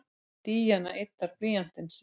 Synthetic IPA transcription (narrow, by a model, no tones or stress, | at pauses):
t̪iːjanaʔet̪ːaɾ̥pliːjan̥t̪ɪns